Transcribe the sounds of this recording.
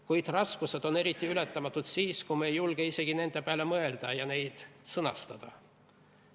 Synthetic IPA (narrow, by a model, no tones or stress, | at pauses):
kujd̪̥rɑskuse̞d̪̥o̞ne̞ɾit̪ːˑiylɛt̪ˑːɑmɑt̪ːˑut̪siːskumejulɡ̥eise̞ɡ̥ine̞nd̪̥e̞pælemɤe̞ld̪̥ɑjɑne̞jd̪̥sɤnɑ̰st̪ɑd̪̥ɑ̰